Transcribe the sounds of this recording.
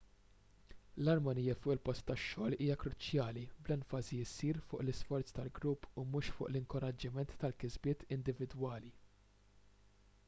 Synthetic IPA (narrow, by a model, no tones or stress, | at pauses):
lɐɾmɐnijɐfʊːʔɪlpɔst̪ːɐʃːɔːliːjɐkɾʊt͡ʃjɐːliblɛnfɐziɪsːiːɾfʊ̰ːʔlɪsfɔɾt͡st̪ɐlɡɾʊpːumuːʃfʊ̰ːʔlɪŋkɔɾɐd͡ʒːɪmɛnt̪ːɐlkɪzbɪːt̪ɪnd̪ɪvɪd̪wɐːli